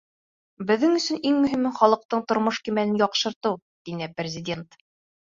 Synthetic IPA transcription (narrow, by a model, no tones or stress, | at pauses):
bɘ̆ðːɘŋɵ̆sɵ̆niŋmɵ̆ɦimɘɴχɒlˠɤ̆q̚t̪ɤɴt̪ŏɾmoʃkimænɘnjɒqʃɤ̆ɾt̪ɤw | t̪inɘprʲɪzʲɪdʲe̞nt̪